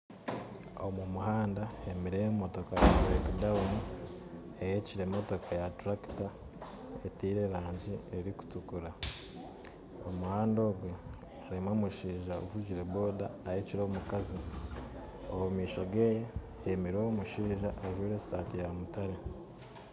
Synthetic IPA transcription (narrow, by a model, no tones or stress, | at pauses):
o̞mumuɦaːndaemiɾejemo̞to̞kajaɾekdauni | ejeciɾemo̞to̞kʰajatɾaki̥ta | etiːɾe̞ɾaːɲɟieɾiku̥tukuɾa | omuhaːndo̞ːɡwe | aɾimoːmuʃiːʒaovuɟiɾebo̞ːdaːjeːciɾo̞ːmukazi | owumiːʃo̞ɡe̞ːje | jemiɾomuʃiːʒaʔːʒwuːɾe̞staːtijamutaɾe̞